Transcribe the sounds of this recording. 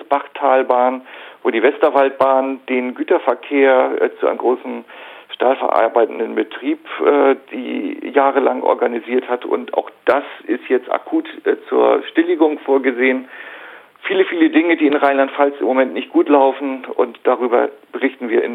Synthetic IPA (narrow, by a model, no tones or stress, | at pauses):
sb̥aχtʰaːlbaːnvoːɾiːvɛstɐvalt̚b̥aːnd̥eːnɡyːtɐfɛɐkʰeːɐt͡suʔa̰ɪnəmɡʁoːsn̩ʃtaːlfɛ̰ɐʔa̰ɐbaɪtn̩dənbətʁ̥iːpʔɛːd̥ḭːjaːʁəlaŋʔɔ̰ɐɡaniziːɐthatʔʊ̰ntʔa̰ʊxd̥asʔɪstjɛt͡sta̰kʰuːtːt͡suːɐʃtɪlɪɡʊŋfoːɐɡəzeːən | fiːləfiːlədɪŋədiːɪnʁaɪnlantfalsɪmːomɛntnɪçt̚ɡ̥uːtlaʊfn̩ʊ̰ntd̥aʁyːbɐ̰b̥əʁɪçtn̩viːɐʔɪ̰n